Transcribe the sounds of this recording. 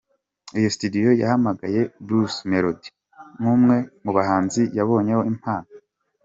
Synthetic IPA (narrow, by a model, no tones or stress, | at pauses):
ijo̞si̥tudijo̞ja̰hamaɡaje̞bɾusmeɾodi̥ | numŋe̞muβaɦaːnzijaβo̞ːɲe̞ho̞im̥haːno